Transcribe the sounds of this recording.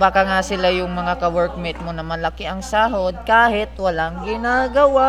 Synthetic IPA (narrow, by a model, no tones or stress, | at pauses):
baːkaŋasɪlajʊŋmɐŋakɐwɛɹk̚mɪnt̪̚monɐmɐlɐkiʔɐŋsaːɦod̪̚kaːhɪt̪wɐlaŋɡɪnaːɡɐwa